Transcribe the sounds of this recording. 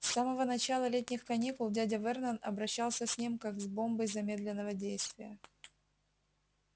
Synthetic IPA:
saməvənɐt͡ɕalˠəlʲet̚ʲnʲɪxkɐnʲikʊlˠdʲadʲɐvɛrnənɐbɾɐɕːalˠsʲəsʲnʲimkaɡzbo̞mbəjzɐmʲe̞d̪lʲɪnːəvədʲejst̪vʲɪjə

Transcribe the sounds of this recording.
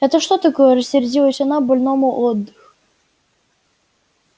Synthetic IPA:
ɛt̪əʂt̪ot̪ɐkojəɾəsʲːɪɾʲdʲilˠəsʲɐnabɐlʲnomʊʔod̪ːɨx

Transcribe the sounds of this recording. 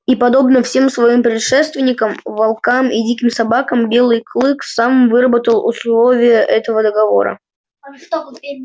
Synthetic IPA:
ipɐd̪o̞bnəfsʲe̞msvɐimpɾʲɪt̪ʂɛst̪vʲɪnʲːɪkəmvɐlˠkamʔḭdʲikʲɪmsɐbakəmbʲe̞lˠɨjklˠɨkfsamvɨɾəbət̪əlˠʊ̰slˠo̞vʲɪjəʔɛt̪əvəd̪əɡɐvo̞̰ɾə̰

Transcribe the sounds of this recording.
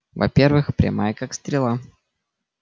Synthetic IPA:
vɐ̰pʲervɨxpɾʲa̰majəkakst̪ɾʲɪlˠa

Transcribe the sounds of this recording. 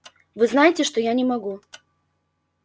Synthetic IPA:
vɨznajɪtʲɪʂt̪oɔjanʲɪmɐɡu

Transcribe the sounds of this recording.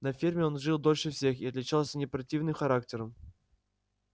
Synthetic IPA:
nɐfʲirmʲɪo̞nʐɨlˠd̪o̞lʲʂɨfsʲexiɐt̪lʲɪt͡ɕalˠsʲənʲɪpɾɐtʲivnɨmxɐɾak̚tʲɪɾəm

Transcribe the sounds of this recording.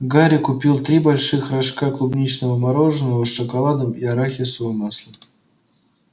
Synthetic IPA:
ɡaɾʲɪkʊpʲilˠt̪ɾʲibalʲʂɨxraʂkak̪ˠʊbnʲit͡ɕnəvəmaɾo̞ʐɨnːəvəʂəkalˠad̪əmiaɾaxʲɪsvojmaslʲˠɪ

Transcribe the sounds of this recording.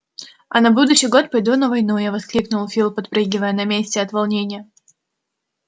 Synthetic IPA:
ɐ̰nɐbud̪ʊɕːɪjɡo̞t̪̚pɐjd̪unəvɐjnujavɐsklʲiknʊlˠfʲilˠpɐt̪̚pɾɨɡʲɪvəjənɐmʲesʲtʲɪɐt̪vɐlˠnʲenʲɪjə

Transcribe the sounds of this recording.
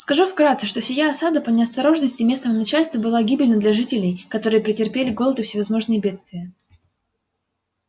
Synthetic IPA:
skɐʐufkɾat̪sɨʂt̪osʲɪjaɐsad̪əpənʲɪɐst̪ɐɾo̞ʐnəsʲtʲɪmʲe̞snəmnɐt͡ɕælʲst̪vəbɨlˠaɡʲibʲɪlʲnəd̪lʲɐʐɨtʲɪlʲɪjkɐt̪o̞ɾɨjəpɾʲɪtʲɪrpʲelʲɪɡo̞lˠət̪ʊfsʲɪvɐzmo̞ʐnɨjəbʲe̞t̪st̪vʲɪjə

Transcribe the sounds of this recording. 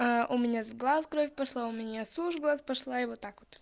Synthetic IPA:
aʔʊmʲɪnʲazɡlˠaskɾofʲpɐʂlˠaʊmʲɪnʲasuʂɡlˠaspɐʂlˠaɪvot̪ːakvot̪

